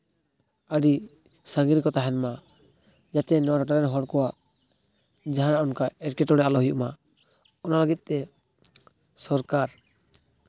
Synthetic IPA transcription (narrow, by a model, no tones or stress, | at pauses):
aɖi | saŋɡɾikɔt̪aɦɛnma | d͡ʒat̪ɛnɔwaʈɔʈaɾɛnɦɔɽkɔwaʔ | d͡ʒaɦãɾaʔɔnkaɛʈkɛʈɔɽɛʔalɔɦujuʔma | ɔnalaɡit̪̚ˀt̪ɛ | sɔɾkaɾ